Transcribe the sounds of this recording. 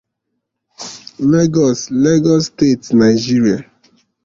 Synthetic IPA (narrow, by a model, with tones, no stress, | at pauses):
le˦ɡɔ˨sle˦ɡɔ˦ste˦˨tna˨ɪd͡ʒi˦ɾia˨